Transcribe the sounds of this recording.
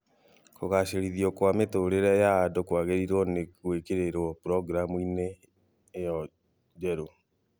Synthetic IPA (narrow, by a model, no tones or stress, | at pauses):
koɣaɕeɾiðiɔkwametoɾeɾajaːdokwaɣeɾiɾɔnekwekeɾeɾɔpɾɔɡɾamuineː | jɔ | d͡ʒɛɾo